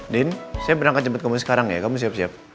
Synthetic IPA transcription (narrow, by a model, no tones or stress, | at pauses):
dɛnsajabəɾaŋkat̪̚d͡ʒəmbat̪kamusə̥kaɾaŋja̰kamus̬iap̚siap̚